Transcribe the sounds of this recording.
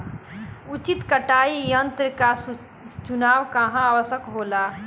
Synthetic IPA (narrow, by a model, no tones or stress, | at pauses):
ut͡ʃit̪kəʈaːijənt̪ɾəka | t͡ʃunaːʋkɐɦãaːʋəsəkɦoːlaː